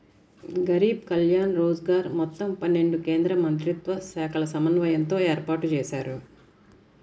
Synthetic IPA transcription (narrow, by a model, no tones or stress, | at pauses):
ɡɐɾiːb̚kɐljaːnɾoːd͡ʒɡaːɾmɔt̪ːɐmpɐnːe̞ɳɖukeːnd̪ɾɐmɐnt̪̬ɾit̪ʋɐsɛːkʰɐlɐsɐmɐnʋɐjɐnt̪o̞ːeːɾpaːʈut͡ʃɛːʃaːɾu